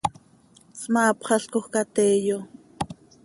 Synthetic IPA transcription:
t͡smɑːpχɑɬkoχkat̪eːjo

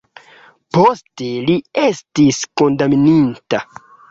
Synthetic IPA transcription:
po̞ste̞liestisko̞ndamininta

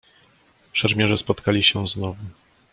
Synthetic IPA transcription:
ʂɛɾmʲjɛʐɛspɔt̪kalʲiɕɛznɔvu

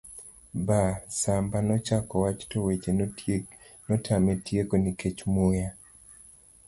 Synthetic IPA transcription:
basambanɔt͡ʃakɔwat͡ʃtowet͡ʃe | nɔtʰametjekoniket͡ʃmoja

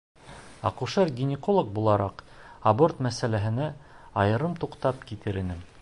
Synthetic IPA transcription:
ɑ̰quʃɤɾɡʲinʲɪkolˠok̚bulˠɑɾɑqɐbort̪mæsælæɦɘ̆næ | ɑjɤ̆ɾɤmt̪uqt̪ɑpkit̪ɘɾɘ̆nɘm

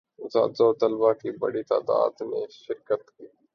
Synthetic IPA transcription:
za̰ːd̪zoːt̪əlbakiːbə̰ɽit̪a̰ːd̪a̰ːd̪mẽʃɪɾkət̪kiː

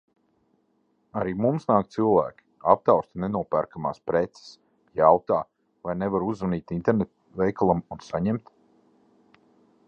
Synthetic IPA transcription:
aɾiːmumsnaːk̚t̪silˠvæ̰ːkʲi̥ap̚t̪awst̪nɛnuɔpæɾkama̰ːspɾɛt̪sɛ̥s | jawt̪aː | vajnevaɾuzaniːt̪int̪eɾnet̪ | vɛjkalˠamunsaɲɛmt̪

